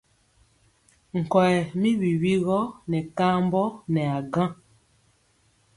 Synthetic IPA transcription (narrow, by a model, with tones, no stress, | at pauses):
ŋ̩˨kɔ˨ɛ˨mi˦wi˨wi˦ɣɔ˦nɛ˨ka˦mbɔ˦nɛ˨a˨ɡã˦